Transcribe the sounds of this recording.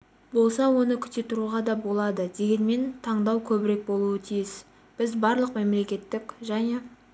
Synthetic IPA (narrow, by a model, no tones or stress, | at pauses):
bo̞lˠsɑwo̞nəkʲʰʏ̥t̪e̞t̪ʰʊɾuʁɑd̪ɑbo̞lˠɑd̪əd̪e̞ɡʲe̞nme̞nt̪ʰɑɴd̪ɑwkʲʰɵbɪɾe̞k̚bo̞lˠuət̪ʰijɪs | b̥ɪzbɑɾlˠəqme̞mle̞kʲe̞t̪ːɪkʲʒæne̞